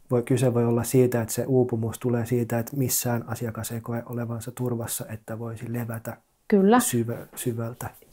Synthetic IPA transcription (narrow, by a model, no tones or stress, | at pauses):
ʋoikyseʋojolːɑssiːt̪æet̪sḛʔuːpumust̪uleːsiːt̪æet̪misːæːnɑsiɑkɑsekoeʔoleʋɑnsɑt̪urʋɑsːɑʔet̪ːæʋoisileʋæt̪æ | kylːæsyʋæsyʋælt̪æ